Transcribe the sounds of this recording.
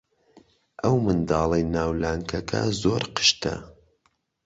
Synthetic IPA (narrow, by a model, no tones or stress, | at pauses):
ʔɐwmɨnd̪ɑːlˠɐjnaːwlaːŋkʰɐkʰɐ̰zoɾqʰɨ̥ʃt̪ɐ̰